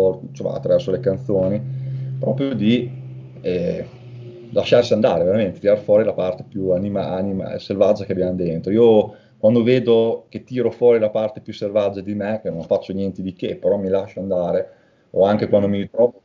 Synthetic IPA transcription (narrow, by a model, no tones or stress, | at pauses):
ɔɾt͡ʃoma̰ːt̪ːɾavɛrsolekant̪soːnipɾɔ̰ːpɾjod̪i | ɛ | laʃarsiand̪aːɾeveɾament̪et̪iɾaɾfwɔːɾilapart̪epjuanima̰anima̰selvad͡ʒːakeabjand̪ent̪ɾoiːo | kwand̪oveːd̪oket̪ːiːɾofwɔːɾilapart̪epjusːelvad͡ʒːad̪imekenõŋfat͡ʃːonjɛnt̪ed̪ikepːeɾɔmilaʃːoand̪aːɾe | oaŋkekwand̪omiɾit̪ɾɔː